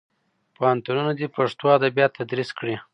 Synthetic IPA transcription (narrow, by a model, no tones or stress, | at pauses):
pahant̪ununad̪ipaʂt̪oad̪abjɑt̪ʰad̪ɾiskɽi